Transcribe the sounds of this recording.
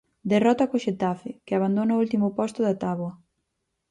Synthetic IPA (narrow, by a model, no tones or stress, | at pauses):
d̪erɔt̪ɐkoʃet̪afɪkɪaβand̪onɐoult̪imʊpɔst̪ʊðat̪aβwɐ